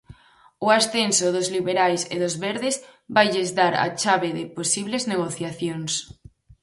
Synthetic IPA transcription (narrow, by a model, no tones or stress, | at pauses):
ʊasθensʊðʊzliβeɾajsɪ̰ðʊzβɛɾðɪzβajʎezdaɾa̰t͡ʃaβɪðɪposiβlezneɣ̞oθjaθjoŋs